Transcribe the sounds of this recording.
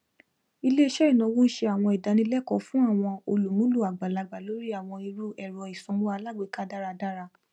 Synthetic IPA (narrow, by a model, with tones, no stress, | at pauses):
i˧le˦i˦ʃɛ˦i˦˨nã˨˦wũ˦n̩˦ʃe˧a˨w̃ɔ̃˧i˨da˨˧nĩ˧˦lɛ˦kɔ˧˨fũ˦a˦˨w̃ɔ̃˧o˧lu˨mũ˨˦lu˦˨a˨ɡ͡ba˨la˨˧ɡ͡ba˨lo˨˦ɾi˦a˦˨w̃ɔ̃˧i˧ɾu˦ɛ˦˨ɾɔ˨i˨sɔ̃˨˦mũ˦a˧la˦˨ɡ͡be˨˦˨ka˦da˦ɾa˧da˦ɾa˧